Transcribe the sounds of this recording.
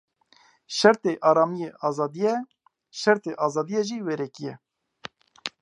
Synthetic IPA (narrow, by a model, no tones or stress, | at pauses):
ʃɛɾt̪eːʔɑːɾɑːmijeʔɑːzɑːd̪ijɛ | ʃɛɾt̪eːʔɑːzɑːd̪ijɛʒiːweɾɛkijɛ